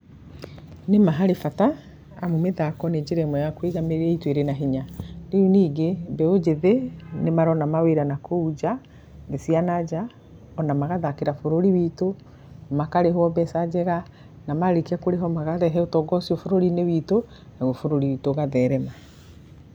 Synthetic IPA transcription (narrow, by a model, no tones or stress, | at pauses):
nemaɦaɾefataː | mumeðakɔned͡ʒeɾɛmɔjakweɣameɾɛitweɾenaɦiɲaɾeuniɡebɛod͡ʒeðenemaɾɔnamaweɾanakoud͡ʒa | ɡesianad͡ʒa | ɔnamaɣaðakeɾafoɾoɾiwiːto | makaɾeɦwɔbɛsad͡ʒɛɣa | namaɾekiakoɾeɦɔmaɣaðɛɦɛotɔɡɔsiɔfoɾoɾineβiːto | naɣofoɾoɾiwitoːɣaðɛɾɛma